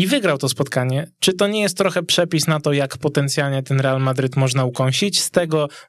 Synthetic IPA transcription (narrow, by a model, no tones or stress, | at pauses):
ivɘɡɾawt̪ɔspɔt̪kaɲɛt͡ʂɘt̪ɔɲɛjɛst̪ːɾɔxɛpʂɛpʲisnat̪ɔjakpɔt̪ɛnt̪sʲjalɲɛt̪ɛnɾɛalmad̪ɾɘt̪mɔʐnaukɔw̃ɕit͡ɕst̪ɛɡɔ